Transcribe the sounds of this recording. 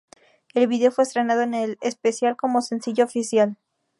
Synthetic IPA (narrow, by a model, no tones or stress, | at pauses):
e̞lβiðeofwest̪ɾe̞nað̞o̞enelespe̞sjalko̞mo̞se̞nsiʝoːfisjal